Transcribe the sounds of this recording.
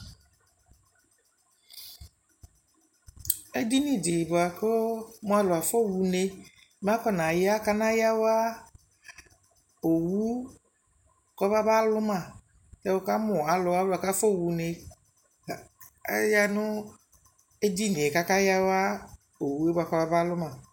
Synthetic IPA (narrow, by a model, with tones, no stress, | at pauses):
e˦di˦nĩ˦dɪ˨bʊ˨a˨ko˦mõ˨˦a˨lʊ˨a˨fo˦wu˨ne˨ | m˦ã˦kɔ˦nã˨jɛ˦a˦ka˦nã˦ja˦wo˦a˦ | o˨wu˦ | kɔ˦ba˦ba˦lʊ˦mã˨ | ta˦wo˦ka˦mʊ̃˨a˨lʊ˨˦a˦la˨ka˦fo˦˨wu˨ne˨˦ | ja˦nʊ̃˦ | e˦di˦nĩ˨e˨ka˦ka˦ja˦wo˦a˦ | o˨wu˦e˦bo˨a˨kɔ˦ba˦ba˦lʊ˦mã˨